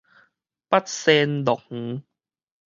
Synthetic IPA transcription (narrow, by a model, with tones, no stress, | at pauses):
pa˦˥t̪̚seː˧ndɔ˨˩k̚h̩˨˦